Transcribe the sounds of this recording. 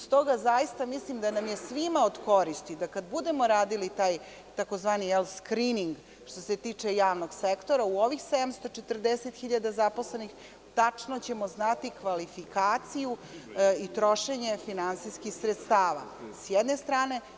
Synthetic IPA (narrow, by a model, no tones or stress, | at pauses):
st̪o̞ɡazajist̪amislimd̪anamjesʋimaod̪ko̞ɾist̪id̪akad̪bud̪e̞mo̞ɾaːd̪ilit̪aːj | t̪ako̞zʋaːnijɛlskɾiniŋɡ | ʃt̪o̞se̞t̪iːt͡ʂe̞jaːʋnoɡsekt̪o̞ɾauoʋixsed̪amst̪o̞t͡ʂet̪rd̪eset̪xiʎad̪azapo̞slenix | t̪at͡ʂnot͡ɕe̞mo̞znat̪ikʋalifikaːt̪sijuit̪ɾo̞ʃe̞ɲe̞finansiskixsɾet̪st̪aːʋa̰sjɛd̪ne̞st̪ɾaːne̞